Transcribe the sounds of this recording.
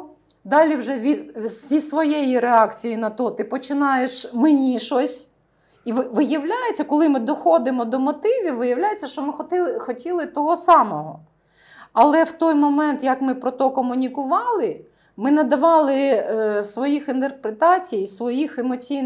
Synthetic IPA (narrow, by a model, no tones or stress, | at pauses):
d̪ɑlʲiwʒɛʋʲisʲisʋɔjɛjiɾeɑkt͡sʲijinɐt̪ɔt̪ɪpɔt͡ʃɪnɑjeʃmɪnʲiʃɔsʲ | iʋʋɪjɐwlʲajet͡sʲːɐkɔlˠɪmɪd̪ɔxɔd̪ɪmɔd̪ɔmɔt̪ɪʋʲiʋɪjɐwlʲajet͡sʲːɐʃt͡ʃɔmɪxɔt̪ɪxɔtʲilˠɪt̪ɔɦɔsɑmɔɦɔ | ɐlˠɛwt̪ɔjmɔmɛnt̪jɐkmɪpɾɔt̪ɔkɔmʊnʲikʊʋɑlˠɪ | mɪnɐd̪ɐʋɑlˠɪsʋɔjixint̪erpɾet̪ɑt͡sʲijsʋɔjixemɔt͡sʲij